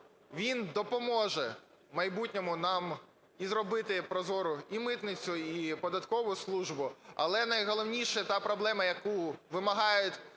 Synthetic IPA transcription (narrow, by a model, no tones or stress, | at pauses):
ʋʲind̪ɔpɔmɔʒɛ | mɐjbutʲnʲɔmʊnɑm | izrɔbɪt̪ɪpɾɔzɔɾʊimɪt̪nɪt͡sʲʊipɔd̪ɐt̪kɔʋʊslˠuʒbʊɐ̰lˠɛnɐjɦɔlˠɔwnʲiʃɛt̪ɑpɾɔblˠɛmɐjɐkuʋɪmɐɦɑjʊtʲ